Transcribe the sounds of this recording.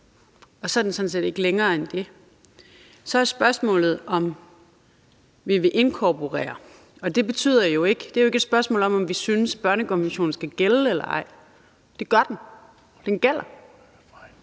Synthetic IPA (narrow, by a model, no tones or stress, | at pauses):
ɒ̽sɒ̽d̥n̩sɒ̽dn̩se̝̰ːd̥e̝ɡ̥əleŋɐːend̥e̝ | sɒ̽æsb̥ɶɐsmɔ̰̽ːlð̞̩ˠɒ̽m | ʋiʋe̝ʔe̝nkʰɒpʰo̝ʁɛ̰ːɐ | ɒ̽d̥e̝b̥e̝t͡sʰy̰ð̰ˠɐjo̝e̝ɡ̥əd̥e̝æɐjoe̝ɡ̥ed̥sb̥ɶɐsmɔ̰̽ːlɒ̽mɒ̽mʋisynəsb̥ɶɐnəkʰɒ̽nʋenɕo̝̰ːn̩sɡ̥æɡ̥elelɐɑ̰̈ɪ̰ | d̥e̝ɡ̥ɶɐd̥en̩ | d̥enɡ̥el̰ɐ